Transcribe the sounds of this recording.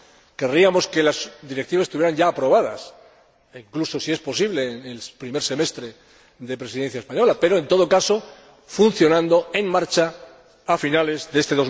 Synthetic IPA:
ke̞riamo̞ske̞lazd̪iɾe̞k̚t̪iβasest̪uβjeɾaɲɟaːpɾo̞βaða̰s | iŋkluso̞sie̞spo̞siβle̞nelpɾime̞ɾse̞me̞st̪ɾe̞ | ðe̞pɾesiðe̞n̟θjaespaɲo̞lape̞ɾo̞e̞nt̪o̞ð̞okaso̞ | fun̟θjo̞nãnd̪o̞e̞ŋmaɾt͡ʃaː | finale̞zðe̞est̪e̞ðo̞z

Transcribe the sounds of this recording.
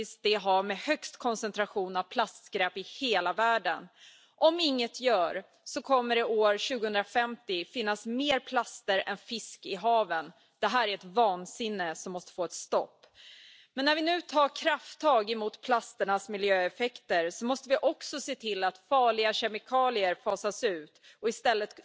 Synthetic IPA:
ɪs̚d̪ɛɦamɛhœkst̪kʰɔnsɛnt̪ɾaɧuːnavpʰlast̪ɡɾɛːpɪheːlavæːɖən | ʔɔmɪŋːət̪ʰjœːɾ | sɔkʰɔmːəɾɪoːɾɕʉ̟ːɡʊhɵnd̪ɾafɛmt̪ɪfɪnːasmeːɾpʰlast̪əɾɛ̰nfɪskɪɦɑːvən | d̪̥ɛɦæːɾæɾɛt̪vɑːnsɪnːəsɔmːɔst̪ə̥foːɛt̪st̪ɔpː | mɛnːæɾvɪnʉ̟ːt̪ʰɑːɾkʰɾaft̪ʰːɑːɡɪmuːt̪pʰlast̪əɳasmɪljøːɛfɛkt̪əɾsɔmɔst̪əvɪʔɔksɔseːt̪ʰɪlːat̪fɑːɭɪɡaɕɛmɪkʰɑːlɪəɾfɑːsasʉ̟ːt̪ɔɪst̪ɛlːət̪

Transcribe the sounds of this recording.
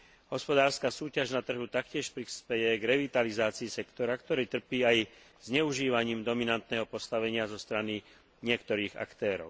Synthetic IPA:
ɦɔspɔd̪aːɾskaːsuːcaʒnat̪r̩ɦut̪akcɪɛʃpɾispɛjɛɡɾɛʋit̪alizaːt͡siːsɛkt̪ɔɾakt̪ɔɾɛːt̪r̩piːaj | z̥ɲɛuʒiːʋaɲiːmd̪ɔminant̪nɛɦɔpɔst̪aʋɛɲɪazɔst̪ɾani | ɲɪɛkt̪ɔɾiːɣa̰kt̪ɛːɾɔ̰ʊ

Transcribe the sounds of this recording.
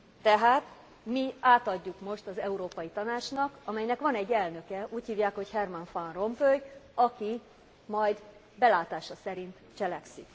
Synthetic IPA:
t̪ɛɦaːt̪ | miaːt̪ɒɟːukmo̞ʃt̪ɒzɛuɾoːpɒjit̪ɒnaːt͡ʃnɒkɒmɛjnɛkʋɒnɛɟːɛlnø̞kɛuːchiːvjaːkho̞chɛrmɒnfɒnro̞mpøjɒki | mɒjd̪ | bɛlaːt̪aːʃɒsɛɾint̪t͡ʃɛlɛksik

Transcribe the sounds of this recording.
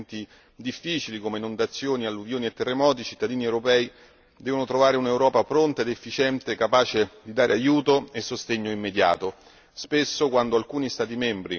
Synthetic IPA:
nt̪i | d̪ifːiːt͡ʃilikomenond̪at̪sːjoːnialːuvjoːniet̪ːerːemɔːt̪it͡ʃit̪ːad̪iːniewɾopɛːi | d̪ɛːvonot̪ɾovaːɾeunewɾɔːpapɾont̪aed̪efːit͡ʃɛnt̪ekːapaːt͡ʃed̪id̪aːɾʔeajuːt̪oesːost̪eɲːoimːed̪ja̰ːt̪o | spesːokwand̪oalkuːnist̪aːt̪̬imɛmbɾi

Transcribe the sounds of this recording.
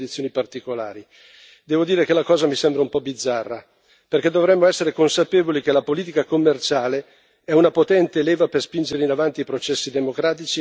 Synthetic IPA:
d̪it̪sːjoːnipart̪ikola̰ːɾi | d̪ɛːvod̪iːɾekelakɔːzamisɛmbɾaumpɔbid̪zːarːa | perk̟ed̪ovɾɛmːoɛsːeɾekonsapeːvolik̟elapoliːt̪̬ikakomːert͡ʃaːle | ɛunapot̪ɛnt̪eːleːvaperspind͡ʒeɾeinavant̪iːpɾot͡ʃɛsːid̪emokɾaːt̪it͡ʃi

